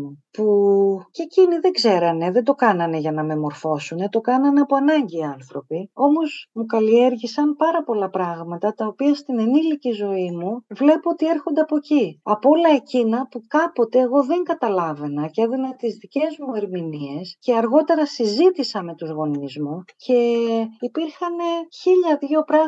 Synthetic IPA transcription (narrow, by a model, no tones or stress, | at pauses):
upuce̞ciniðe̞ɡze̞ɾɐne̞ðe̞nd̪okɐnɐne̞ʝɐnɐme̞mo̞ɾfo̞sune̞t̪o̞kɐnɐneɐpoɐnɐɲɟiːɐnθɾo̞pio̞mo̞zmukɐlie̞ɾʝisɐnpɐɾɐpo̞lɐpɾɐɣmɐt̪ɐt̪ɐo̞piɐst̪inenilicizo̞imuvle̞poot̪ie̞ɾxond̪e̞ɐpo̞ciɐpoo̞lɐe̞cinɐpukɐpo̞t̪e̞ːɣo̞ðe̞ŋɡɐt̪ɐlɐve̞nɐceðinet̪izðice̞zmue̞ɾminie̞sce̞ɐɾɣo̞t̪e̞ɾɐsizit̪isɐme̞t̪uzɣo̞nizmuce̞ipiɾxɐne̞çiʎɐðjo̞pɾɐ